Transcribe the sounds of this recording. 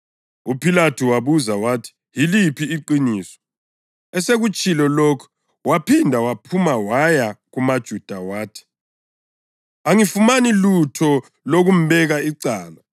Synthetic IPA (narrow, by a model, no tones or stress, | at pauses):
upʰilatʰuwaβuzawaːtʰi̥ | jilipʰiːǃiniːsɔ̥ | ɛseɣut͡ʃʼilɔlokʰɔ̥ | wapʰindʱawapʰumawajaɣumad̥ʒ̥ʱud̥ʱawaːtʰi̥ | aŋifumanilutʰɔ | loɣum̩bɛɣaiǀaːla